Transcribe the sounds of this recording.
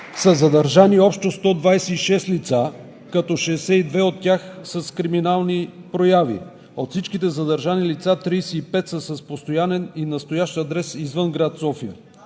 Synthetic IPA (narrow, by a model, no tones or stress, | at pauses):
səzɐd̪əɾʒaniɔpʃt̪ost̪ɔd̪vajsɛiʃɛst̪lit̪sa | kɐt̪ɔʃɛːsɛid̪vɛot̪ːʲaxsəskɾiminalˠnipɾojavḭ | ot̪fsit͡ʃkit̪ɛzɐd̪əɾʒanilit̪sat̪ɾijsɛːpɛt̪səsəspost̪ojanɛninɐst̪ojaʃt̪ɐd̪ɾɛsizvənɡɾat̪sɔfiə̰